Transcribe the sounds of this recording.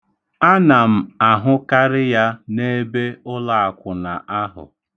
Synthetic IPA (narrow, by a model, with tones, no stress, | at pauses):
a˦na˨m̩˨a˨ɦʊ˦ka˦ɾɪ˦ja˦ne˦be˦ʊ˦la˨a˨kʷʊ˨na˨ʔa˦ɦʊ̰˨